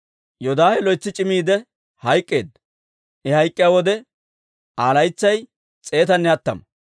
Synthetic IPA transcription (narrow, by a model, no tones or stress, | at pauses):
jɔd̪aːhɛlɔjt͡sːɪt͡ʃʼɪmiːd̪ɛ | hɐjkʼːeːd̪ | ʔɛhɐjkʼːɪjawɔd̪ɛ | ʔaːlɐjt͡sːɐj | t͡sʼe̞ːt̪ɐnːɛɐt̪ːɐ̰m